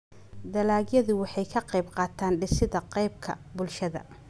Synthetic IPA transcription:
d̪ɐlaːɡjɐðʊwɑħɑjkʰɐqɑjbqɑːt̪ʰaːnɖɪsɪðɐqɑjb̚kʰɐ̰bʊlʃɐðɐ̰

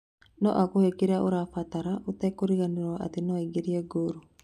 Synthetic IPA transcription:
nɔʔakohekeɾaʔoɾafataɾaʔotɛkoɾiɣaneɾwaʔa̰tenɔeɡeɾiɛɡoɾo

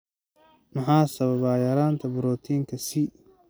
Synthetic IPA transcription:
mɑħɑːsɐβɐβaːjɐɾaːnt̪ʰɐbʊɾɔːt̪ʰiːŋkʰɐsi

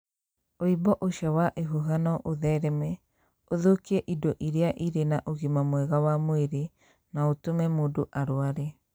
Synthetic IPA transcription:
oibɔʔoʃawaʔeɦuɦanɔʔoðɛɾɛmɛ | oðokiɛʔidɔʔiɾeaʔiɾenaʔoɣimamwɛɣawamweɾe | naotomɛmoːdoʔaɾoaɾe

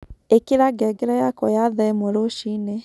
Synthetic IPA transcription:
ekeɾaɡɛɡɛɾajakɔjaðaemoɾoʃine

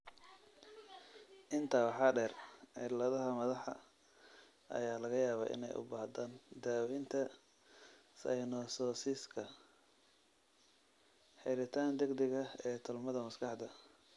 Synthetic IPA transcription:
ʔɪnt̪ʰawħɑɖɛːrɛ̰lɐðɐɦɐmɐðɑħɐ̰ | ʔɐ̰jaːlɐɣɐjaːβɐ̰ːʔɪ̰nɛ̰jʔʊ̰baːhd̪aːnd̪aːwɛjnt̪ʰɐ | sɐ̰jnɔːsɔːsiːskʰɐ | ħɛɾɪt̪ʰaːnd̪ɛɡd̪ɛɣɐɛːt̪ʰʊlmɐðɐmɐskʰɑħd̪ɐ

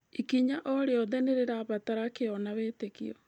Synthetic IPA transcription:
ikiɲaʔɔɾeɔðɛneɾeɾaβataɾakeɔnaweːtekḭɔ

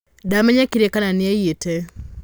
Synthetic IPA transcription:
damɛɲakiɾɛkananiajietɛ

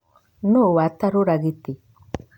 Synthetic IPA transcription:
nowataɾoɾaɣite

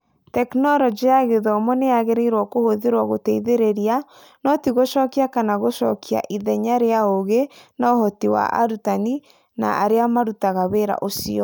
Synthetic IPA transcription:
tɛknɔɾɔd͡ʒijaɣeðɔmɔneaɣeɾeiɾwɔkohoðeɾwɔɣotɛiðeɾeɾia | nɔtiɣoʃɔːkiakanaɣoʃɔ̰kia̰ʔiðɛɲaɾeaoɣenaohɔtiwa̰ʔa̰ɾutani | na̰a̰ɾeamaɾutaɣaβeɾa̰ʔosiɔ

